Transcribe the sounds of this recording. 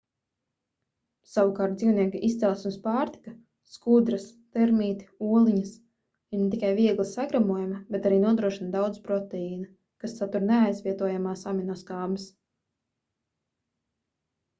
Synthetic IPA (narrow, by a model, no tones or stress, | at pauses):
sawukaːɾt̪̚d̪ziːwniɛkiʔist̪sʲɛlˠsmspaːɾt̪i̥ka | skud̪ɾast̪ɛɾmiːt̪i̥uɔlˠiɲɐs | inet̪ikajviɛɡlˠisaɡɾamuɔjamabɛt̪aɾiːnuɔd̪ɾuɔʃind̪awd̪zpɾɔt̪ɛiːna | kasːat̪uɾnɛajzvʲiɛt̪uɔjamaːsaminɔskaːbɐs